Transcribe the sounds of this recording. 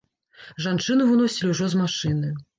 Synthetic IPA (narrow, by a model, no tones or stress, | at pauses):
ʐant͡ʂɨnɨvɨnɔsʲilʲiwʐɔzmaʂɨnɨj